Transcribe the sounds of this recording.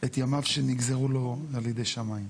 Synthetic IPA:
et̪jamavʃeniɡzeʁulo̞aljede̞jʃamaim

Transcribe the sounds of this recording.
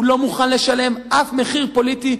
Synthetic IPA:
lo̞muχanle̞ʃale̞mʔafme̞χiʁpo̞lit̪i

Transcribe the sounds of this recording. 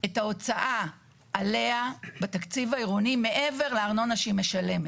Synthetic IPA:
etao̞t͡saʔa | ʔːle̞abat̪akt͡sivaiʁunime̞ʔe̞ve̞ʁleaʁno̞naʃeime̞ʃale̞me

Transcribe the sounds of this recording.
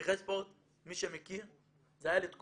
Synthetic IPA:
ʁespoʁt̪ | miʃemekiʁ | zajalet̪k

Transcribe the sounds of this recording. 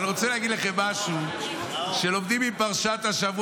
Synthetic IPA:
niʁo̞t͡seleaɡid̪leχemːaʃu | ʃe̞lo̞md̪imipaʁʃat̪aʃavu

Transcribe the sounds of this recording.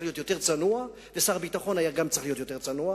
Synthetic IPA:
lijo̞t̪jo̞t̪e̞ʁt͡sanua | vesaʁbitaχo̞najaɡamt͡sʁeχlijo̞t̪jo̞t̪e̞ʁt͡sanua

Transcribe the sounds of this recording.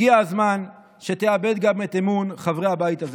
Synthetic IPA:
iaazman | ʃe̞t̪eabe̞d̪ɡamet̪emunχavʁehabajit̪az

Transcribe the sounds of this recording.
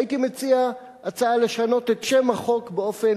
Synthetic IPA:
itimet͡sia | at͡saale̞ʃano̞tetʃe̞maχo̞kbeo̞fe̞n

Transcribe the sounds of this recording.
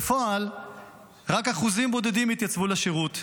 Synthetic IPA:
fo̞al | ʁakaχuzimbo̞d̪ed̪imit̪jat͡svulaʃeʁut̪

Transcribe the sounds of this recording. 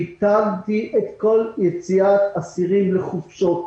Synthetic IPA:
t̪alt̪iʔet̪ko̞ljet͡siat̪asiʁimleχufʃot

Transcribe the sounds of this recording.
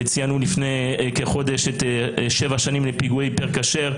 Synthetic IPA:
t͡sijanulifnejkeχo̞d̪eʃetʃevaʃanimlepiɡuejpeʁkaʃeʁ

